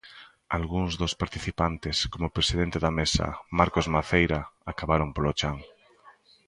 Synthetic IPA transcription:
alɣuŋzðospaɾt̪iθipant̪eskomopɾesiðent̪eðamesa̰maɾkozmaθejɾaakaβaɾompolot͡ʃaŋ

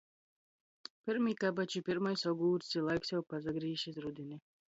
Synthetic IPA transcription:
piɾmiːkabat͡ʃipiɾmajsɔɡuːɾsilˠajksjɛwpazaɡɾiːʃizɾud̪ini

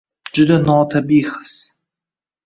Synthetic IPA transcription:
d͡ʒʊd̪anɔt̪ʰabiːχə̥s

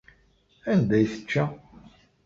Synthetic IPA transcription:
ænd̪æjθə̥t͡ʃːæ

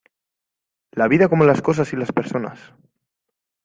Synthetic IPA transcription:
laβiðako̞molaskosasilaspeɾso̞na̰s

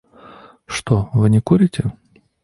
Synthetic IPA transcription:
ʂt̪ovɨnʲɪkuɾʲɪtʲɪ

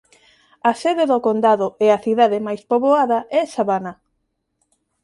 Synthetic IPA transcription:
ɐsɛðeðokond̪aðoɛaθiðaðemajspoβoaðɐɛsaβana

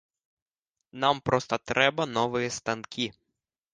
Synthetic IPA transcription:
nɑmpɾɔst̪ɐt̪ɾʔɛbɐnɔʋɪjist̪ɐnkʰʲi

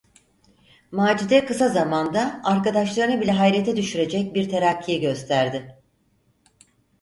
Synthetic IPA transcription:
maːd͡ʒud̪ɛkɯsazamand̪aaɾkad̪aʃlˠaɾɯnɯbilʲɛɦajɾet̪ʰɛd̪yʃyɾe̞d͡ʒɛc̚biɾt̪ʰeɾacʰːijɛɟø̞st̪ʰæɾd̪ɪ

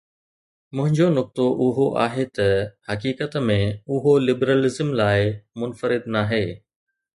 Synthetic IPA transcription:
mʊ̃ɦɪ̃ɲd͡ʑonʊk̚t̪oʔʊɦoʔa̰ːɦet̪ɐhɐkiːkət̪mẽʊɦolɪbɾəlɪzəmlaːɪmʊnfəɾɪd̪naːɦeː

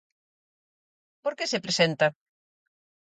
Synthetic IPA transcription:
poɾkesepɾesent̪ɐ

